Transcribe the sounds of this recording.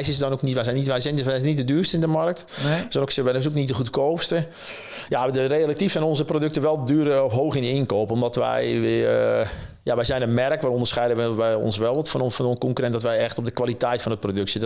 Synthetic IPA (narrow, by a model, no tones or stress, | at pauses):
jsəsdɔnoknitʋɛsɛniʋɛjsɛnnit̚dədyːrstəɪndəmark̚t | dɔnoksɪʋɛnɔsoknit̚dəχutkoːpstə | jadəreəlak̚tifsɛnɔnzəprodøk̚təʋɛlˠdyərəɔfɦoːxɪnɪnkoːpəɔmdɔtʋɛ̰jʋɪ | jaʋɛjzɛjnəmɛrkʋaːɾɔ̃ndərsχɛjdəʋɛjɔ̰nsʋɛlˠʋɔtfɔnfkɔ̃ŋkyɾɛntdɔtʋɛjɛxtɔp̚dəkʋalitɛjtfɔnət̚prodøksə